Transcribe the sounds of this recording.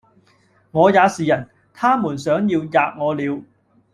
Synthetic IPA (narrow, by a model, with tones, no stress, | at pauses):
ŋɔː˨˧jaː˨˧siː˨jɐ˨˩n | t̪ʰaː˥muː˨˩nsœː˨˥ŋjiː˧wjaː˨k̚ŋɔː˨˧liː˨˧w